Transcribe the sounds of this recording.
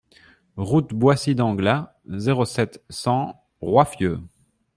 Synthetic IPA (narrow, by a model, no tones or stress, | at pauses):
ʁut̪bwasid̪ɑ̃ɡla | zeʁosɛt̪sɑ̃ | ʁwafjøː